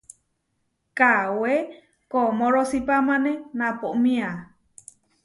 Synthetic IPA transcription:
kawe | komõɾosipamãnẽnãpoʔmĩa

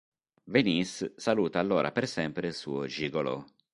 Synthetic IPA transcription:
venisːaluːt̪aːlːoːɾʔa̰persɛmpɾeilsuːod͡ʒiɡolo̰

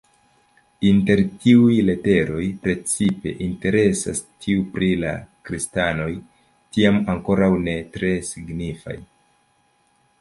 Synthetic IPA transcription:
inte̞ɾtiujle̞te̞ɾo̞jpɾe̞t͡sipe̞̰ʔinte̞ɾe̞sa̰stʰiupɾila̰kɾistano̞j | tiamaŋko̞ɾawne̞tɾe̞siɡnifa̰j

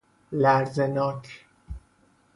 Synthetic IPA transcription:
læɾzenɒːkʰ

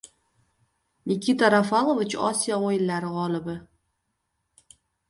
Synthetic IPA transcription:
nʲɪkʲit̪aɾafalˠovɪt͡ʃɒ̰sijaojɪnlaɾɪʁɒlˠɪbɪ

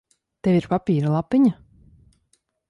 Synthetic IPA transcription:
t̪eviɾpapʲiːɾalˠapiɲa

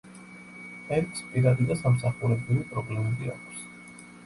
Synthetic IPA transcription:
ɛɾkspʼiɾad̪id̪asamsaχuɾɛbɾivipʼɾɔblɛmɛbia̰kʰs

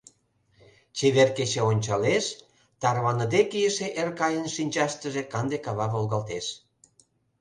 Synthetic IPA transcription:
t͡ɕeβerket͡ɕeonʲt͡ɕɑleʃ | t̪ɑrβɑnəd̪ekijəʃeʔerkɑjənʃinʲt͡ɕɑʃt̪əʒĕkɑnd̪ekɑβɑβolɣɑlt̪eʃ

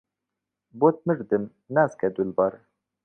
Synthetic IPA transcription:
bot̪̚mɨɾd̪ɨm | naskɛd̪ulbɑɾ

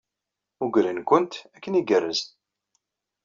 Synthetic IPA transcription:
ʊɡɾinkʊnt̪ækːəniɡərːəz

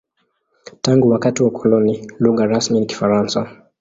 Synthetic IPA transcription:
taŋɡuwakatiwakʰɔlɔniluɣaɾasminiki̥faɾansa

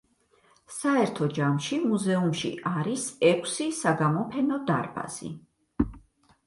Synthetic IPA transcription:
saɛɾt̪ʰɔd͡ʒamʃimuzɛumʃḭʔaɾisɛkʷʰsisaɡamɔpʰɛnɔd̪a̰ɾba̰z̥ḭ

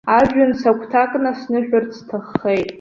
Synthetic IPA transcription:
aʒᶣʊnsakʷʰtʰakʼnasnɨʃᶣʊrt͡sʰtʰɨχːejtʼ

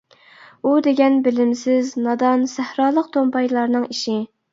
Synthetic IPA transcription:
ud̪eɡʲɛnbɪlɪmsɪznɑd̪ɑnsæhɾɑːlˠəq̚t̪ʰompɑjlˠɑɾnɨŋiʃi

